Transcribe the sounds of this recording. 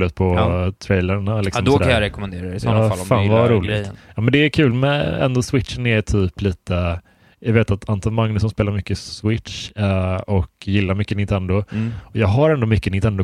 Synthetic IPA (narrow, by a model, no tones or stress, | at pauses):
lʉːt̪̚pʰɔt̪ʰɾɛjləɳalɪksɔmd̪ɔd̪æɾajaɾɛkɔmɛnd̪eːɾasalfaːnvaɾuːlɑːmɛnd̪ɛːkʰʉ̟ːlmɛnɛ̰nd̪ɔswɪt̪ʂənɛt̪ʰyːpliːt̪ə | javeːt̪at̪ʰant̪ɑmaŋnʉsɔnspeːlaɾmʏkːəswɪt̪ʂ | ɔkjɪlːaɾmʏkːənɪnt̪ʰɛnd̪ʊɔjɑːɡɦaɾɛnd̪ɔmʏkːənɪnt̪ʰɛnd̪ʊ